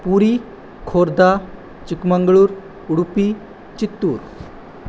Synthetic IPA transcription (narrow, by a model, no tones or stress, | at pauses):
puɾi | kʰoɾd̪ʱa | t͡ɕikmaŋɡɭuːɾ | uɽupi | t͡ɕit̪ːuːɾ